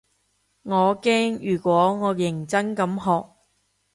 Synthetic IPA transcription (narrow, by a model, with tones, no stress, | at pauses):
ŋɔː˨˧kɛː˥ŋjyː˨˩kwɔː˨˥ŋɔː˨˧jɪ˨˩ŋt͡sɐ˥ŋkɐ˨˥mɦɔː˨k̚